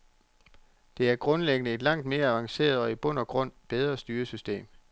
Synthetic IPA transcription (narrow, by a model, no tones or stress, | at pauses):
d̥e̝æɐɡ̥ʁɔ̽nleɡ̥ənəe̝d̥lɑ̈ŋ̰d̥me̝ːɐæʋɑ̈ŋse̝̰ːɐðˠɒ̽ib̥ɔ̽n̰ɐɡ̥ʁɔ̽n̰b̥eð̞ˠʁɐsd̥yːɐsysd̥e̝̰ːm